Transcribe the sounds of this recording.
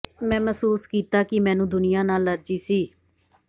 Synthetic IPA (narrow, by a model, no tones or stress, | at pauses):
mɛ̃ːməsuːskiːt̪aːkɪmɛ̃ːnũːd̪ʊnɪjãːnaːlːəd͡ʒiːsiː